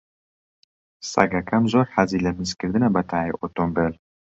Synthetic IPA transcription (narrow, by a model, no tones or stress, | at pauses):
sɐ̰ɡakʰamzoɾħazilɐmːɨskɨɾd̪ɨnɐbɐt̪ʰajeʔot̪ombəl